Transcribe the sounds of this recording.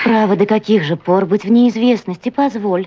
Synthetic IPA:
pɾavəd̪əkɐkʲiɣʐɨporbɨtʲvnʲɪːzvʲe̞snəsʲtʲɪpɐzvo̞lʲ

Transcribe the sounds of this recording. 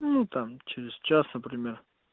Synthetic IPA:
nut̪amt͡ʃeɾʲɪst͡ʃasnɐpɾimʲer

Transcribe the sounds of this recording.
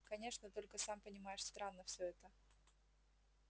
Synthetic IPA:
kɐnʲe̞ʂnət̪o̞lʲkəsampənʲɪmajɪʂst̪ɾanːəfsʲɵɛt̪ə

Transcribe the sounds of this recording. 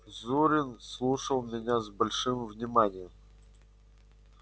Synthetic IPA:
zuɾʲɪnslˠuʂəlˠmʲɪnʲazbɐlʲʂɨmvnʲɪmanʲɪjəm

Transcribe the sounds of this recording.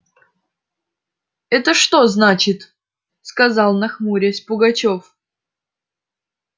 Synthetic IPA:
ɛt̪əʂt̪o̞znat͡ɕɪt̪ | skɐzɑlˠnɐxmuɾʲesʲpʊɡɐt͡ɕof

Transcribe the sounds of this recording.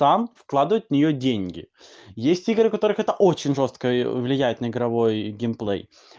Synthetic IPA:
t̪amfklˠad̪vʊjʊt̪vnʲɪjodʲenʲɡʲɪ̰ | jesʲtʲiɡɾɨkɐt̪o̞ɾɨxɛt̪əʔo̞t͡ɕɪnʲʐo̞st̪̚kəvlʲɪjæjɪt̪nəɪɡɾɐvo̞jɡʲɪmplˠɛ̰j

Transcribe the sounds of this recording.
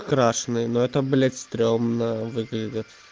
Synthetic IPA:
kɾaʂnɨjnoɛt̪əblʲet̪st̪ɾʲomnəvɨɡlʲɪdʲɪt̪

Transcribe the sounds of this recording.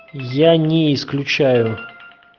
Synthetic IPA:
janʲɪɪsklʲʉt͡ɕæjʊ

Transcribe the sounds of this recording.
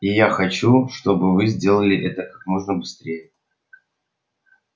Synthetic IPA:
ijaxɐt͡ɕuʂt̪o̞bɨvɨzʲdʲe̞lˠəlʲɪʔɛt̪əkḁkmo̞ʐnəbɨst̪ɾʲejə

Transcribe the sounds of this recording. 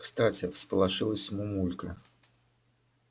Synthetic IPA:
kst̪atʲɪfspəlˠɐʐɨlˠəsʲmʊmulʲkə

